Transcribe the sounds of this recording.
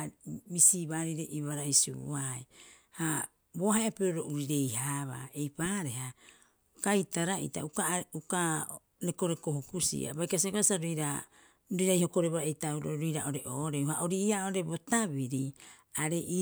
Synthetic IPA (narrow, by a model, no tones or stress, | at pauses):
misiβaɾiɾeʔiβaɾaisṵaj | ha | bohaeapeɾoɾo̞ʔuɾiɾe̞jhaβa̰e̞jpaːɾe̞ɦa | kajtaɾaḭta̰ukauka | neko̞ɾe̞ko̞hokusḭa̰bajkasikoasaɾojɾa | ɾoɾaiho̞ko̞ɾeβaɾaejtauɾo̰ɾojɾa̰ʔoɾeʔoɾeuhaʔoɾiːaoɾe̞bo̞tabiɾi | aɾe̞ʔi